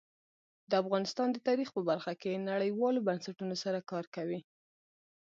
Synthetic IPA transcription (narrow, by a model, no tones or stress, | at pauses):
d̪əafɣɑnɪst̪ɑnd̪ət̪ɑɾixpəbaɾxakenaɽəjwɑlobansaʈunosaɾakɑɾkawi